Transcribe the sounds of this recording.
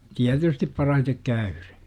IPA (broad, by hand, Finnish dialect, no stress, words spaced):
tiætystip pɑrɑhitek kæyr̥e̥